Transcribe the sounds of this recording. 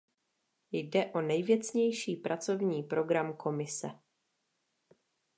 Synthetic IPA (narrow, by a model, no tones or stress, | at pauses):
jdɛʔo̞nɛjvjɛt͡sɲɛjʃiːpɾʔat͡so̞vɲiːpɾo̞ɡɾamkʰo̞mɪsɛ̰